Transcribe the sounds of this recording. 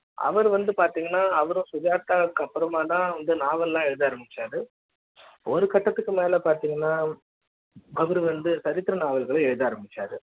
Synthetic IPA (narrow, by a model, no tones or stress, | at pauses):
ʔɐ̰ʋɐɾɯʋɐnd̪ɯpaːɾt̪iːŋɡɐnːaːɐʋɐɾʊ̃sʊðjaːt̪ːaːkːɐpːɯɾɐmaːt̪ãːʋɐnd̪ɯnaːʋɐllãːɛɻɯðɯːɾɯmbɪt͡ʃːaːɾɯ | ɔɾɯkɐʈːɐt̪ːɯkːɯmeːlɛpaːɾt̪iːŋɡɐnːaː | ɐʋɐɾɯʋɐnd̪ɯsɐɾɪt̪ːɪɾɐnaːʋɐlɣɐɭɐɛɻɯðɯːɾɯmbɪt͡ʃːaːɾɯ̰